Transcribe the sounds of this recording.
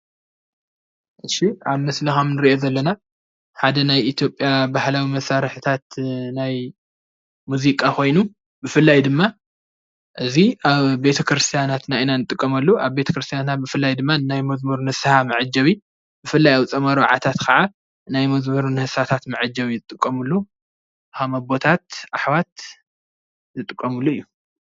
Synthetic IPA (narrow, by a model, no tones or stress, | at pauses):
ʔɨʃiaβmɐslɐxɐmnɨɾiʔo̞zɐlːɐna | ħad̪ɐnajʔit̪ʰjo̞pʼːjabahlawimɐsːaɾħɨt̪ʰat̪naj | muzikʼakʰo̞jnu | bɨfɨlːajd̪ɨmːa | ʔɨziaβbe̞t̪ʰɐkɾɨst̪ʰjanat̪naʔinanɨt̪ʼːɨkʼːɐmɐlːuʔaβbe̞t̪ʰɐkɾɨst̪ʰijant̪at̪̚bɨfɨlːajd̪ɨmːanajmɐzmɐɾunhɨsahamɨʕɨd͡ʒɐβi | bɨfɨlːajawt͡sʼɐmɐɾɐw̰ʕa̰t̪ʰat̪kʰɐʕa | najmɐzmɐɾunhɨsat̪ʰat̪mɨʕɨd͡ʒːɐβizɨt̪ʼɨkʼːɐmɨlːu | hamɐbo̞t̪ʰat̪ʔaħβat̪̚ | zɨt̪ʼɨkʼːɐmɨlːuɨjːu